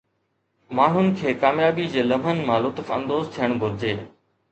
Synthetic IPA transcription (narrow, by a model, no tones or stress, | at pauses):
maːɳ̤ʊnɪ̆kʰeːkaːmjaːbid͡ʑeːlɐm̤ən̆mãːlʊt̪fɐ̰̃nd̪oːzt̪ʰijəɽ̃ɡʱʊɾɪd͡ʑeː